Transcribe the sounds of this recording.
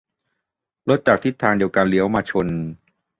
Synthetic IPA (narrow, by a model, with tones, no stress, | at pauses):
lo˦˥t̪̚t͡ɕa˨˩k̚t̪ʰi˦˥t̪ʰːaː˧ŋdi˧əwka˧nli˦əwmaː˧t͡ɕʰo˧n